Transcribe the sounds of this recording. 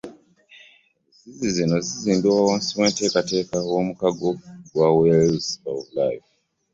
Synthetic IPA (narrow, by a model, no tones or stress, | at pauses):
zizizino̞ziziːndiwawomsimweːnte̞ːkate̞ːkawomukaɡoɡwaweasaoβulaiv